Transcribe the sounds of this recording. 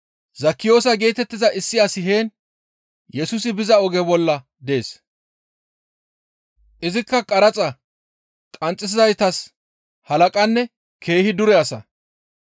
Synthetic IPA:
zɐkːɪjo̞ːsɐɡe̞ːt̪ɛt̪ːɪzɐʔɪsːɪɐsɪɦe̞ːn | jɛsʊs̬ɪbɪzɐɔɡɛbɔlːɐ | d̪e̞ːs | ʔɪzɪkːɐkʼɐɾɐt͡sʼɐ | kʼɐnt͡sʼːɪs̬ɪzɐjt̪ɐs | hɐlɐkʼɐnːɛ | kʰe̞ːhɪd̪ʊɾɛɐsɐ̰

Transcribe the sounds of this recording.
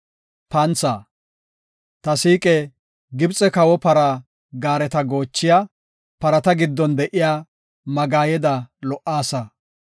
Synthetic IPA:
pɐnt͡saː | t̪ɐsiːkʼɛ | ɡɪbt͡sʼɛkɐwɔpɐɾa | ɡaːɾɛt̪ɐɡo̞ːt͡ʃːɪjaː | pɐɾɐt̪ɐɡɪd̪ːɔnd̪ɛʔɪjaː | mɐɡaːjɛd̪ɐlɔʔːaːsɐ

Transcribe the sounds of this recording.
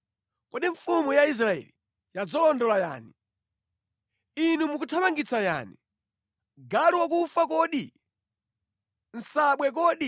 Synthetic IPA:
kɔɗiɱfumujais̬ɾaɛ̰li | jad͡zɔlɔndɔlaja̰ːni | inumukutʰamaŋɡit͡saja̰ːnḭ | ɡaliwɔk̬ufakɔːɗi | n̩saɓwɛk̬ɔːɗi

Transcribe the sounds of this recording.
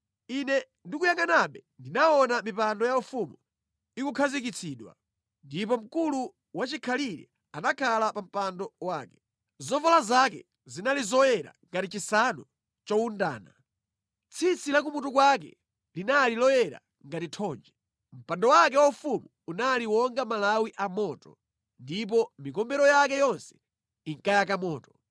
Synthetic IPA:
inɛ | ndikujaŋɡanaɓɛndinaɔnamipandɔjaufumu | ikukʰazikit͡sʰiːɗwa̰ | ndipɔm̩kulu | wat͡ʃikʰaliɾɛ̰ | anakʰalapam̩pandɔwaːkɛ̥ | zɔvɔlazakɛ̰ | zinalizɔjɛɾa̰ŋɡatit͡ʃisanɔ | t͡ʃɔunda̰ːna | t͡sʰit͡sʰilak̬umutukwak̬ɛ̰ | linalilɔjɛɾa̰ | ŋɡatitʰɔːnd͡ʒɛ | m̩pandɔwakɛwaufumuːnaliwɔŋɡamalawiʔamɔːtɔ̥̰ | ndip̬ɔmikɔmbɛɾɔjakɛjɔnsɛ̥ | iŋkajakamɔːtɔ̥

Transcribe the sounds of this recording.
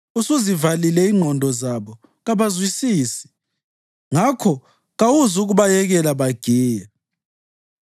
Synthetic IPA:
usuzivalilɛiŋ͡ǃʱɔndʱɔzaβɔ | ɣaβazwisiːsi̥ | ŋakʰɔ | ɣawuzuɣuβajɛɣɛlaβaɡ̥ʱiːja

